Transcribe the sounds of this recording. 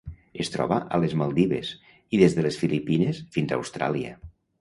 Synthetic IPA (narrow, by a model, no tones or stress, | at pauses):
est̪ɾɔ̰βəʔəlezmalˠd̪iβḛs | iðezðəlesfilipinesfinza̰wst̪ɾa̰liə̰